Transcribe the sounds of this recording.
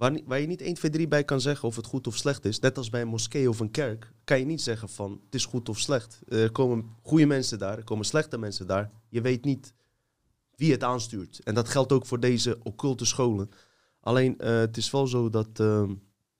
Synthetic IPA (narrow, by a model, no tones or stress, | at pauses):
ʋaʋaːɹjənitejnfejdribɛjkɑnzɛɣənɔfətχutɔfslɛχtɪsnɛtɑlˠsbɛjənmɔskejɔfənkɛrkːɑnjənitsɛɣənfɑnətɪsχutɔfslɛxtɛrkoːmənχujəmɛnsədaːɹɛɹkowmənslɛxtəmɛnsədaːɹ | jəʋejtnit | ʋiətaːnstyːɹtɛndɔtχɛlˠtowkfʊːrdejzəʔokʏlˠtəsχowlən | ʔa̰leːnəətɪsfɔlˠzoːdɔtə